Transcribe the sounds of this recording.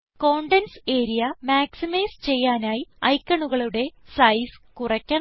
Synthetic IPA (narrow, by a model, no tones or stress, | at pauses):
ko̞ːɳɖense̞ːɾijɐmaːksimɐjst͡ɕe̞jːaːnaːjiɐ̰jkːɐɳuɣɐɭuɽe̞sɐjskurɐkʲːɐ